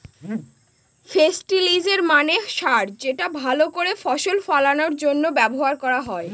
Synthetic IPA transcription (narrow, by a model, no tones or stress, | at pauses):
fesʈilid͡ʑeɾmaneʃaɾd͡ʑeʈabʱalokoɾefɔʃolfalanoɾd͡ʑonːobɛboɦaɾkɔɾaɦɔe